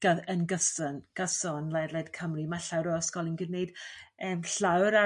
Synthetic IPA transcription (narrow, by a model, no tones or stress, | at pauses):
ɡ̥aðənɡəsənɡ̥əsɔnlaɾlɛd̥kʰəmrimaɬawɾɔəskɔlˠənɡɪneɨd̥əːmɬawɾa